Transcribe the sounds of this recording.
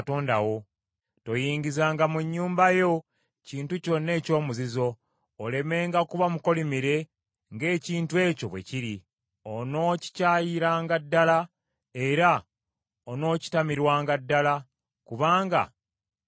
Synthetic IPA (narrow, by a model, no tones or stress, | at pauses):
to̞ːndawo̞ | to̞jiːɲɟizaːŋɡamuɲːuːmbajo̞ | ciːntuco̞nːe̞ːco̞ːmuzizo̞ː | le̞me̞ːŋɡakuβamuko̞limiɾe̞ | ŋɡe̞ːciːntue̞ːco̞βwe̞̰ciɾi | ono̞ːci̥caːjiɾaːŋɡadːala | e̞ɾa | ono̞ːci̥tamiɾwaːŋɡadːala | kuβaːŋɡa̰